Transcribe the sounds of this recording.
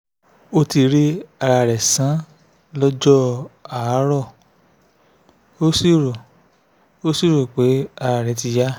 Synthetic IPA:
o˧ti˧ɾe˦a˧ɾa˨ɾɛ˨sã˨˦ | lɔ˦d͡ʒɔ˦a˨˦ɾɔ˦˨ | o˦si˦˨ɾo˨ | o˦si˦˨ɾo˨k͡pe˨˦a˧ɾa˧˨ɾɛ˨ti˧ja˦

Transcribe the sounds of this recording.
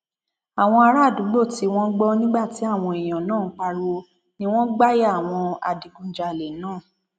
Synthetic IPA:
a˨w̃ɔ̃˧a˧ɾa˦˨dũ˨˦ɡ͡bo˦˨ti˨˦w̃ɔ̃˦ɡ͡bɔ˦nĩ˦ɡ͡ba˦˨ti˨˦a˦˨w̃ɔ̃˧e˨j̃ã˨nãː˦˨˦k͡pa˧ɾo˧ | nĩ˦w̃ɔ̃˦ɡ͡ba˦ja˦˨w̃ɔ̃˧a̰˨di˨˦ɡũ˧˦d͡ʒa˧˨le˨˦nãː˦˨

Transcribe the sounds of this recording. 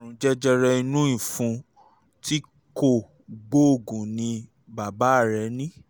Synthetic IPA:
ɾũ˨d͡ʒɛ˦d͡ʒɛ˦ɾɛ˧i˧nũ˦ĩ˨fũ˧ | tʰi˦ | ko˦˨ | ɡ͡bo˦o˦˨ɡũ˨nĩ˧ | ba˨ba˨˦˨ɾɛ˨˦nĩ˦

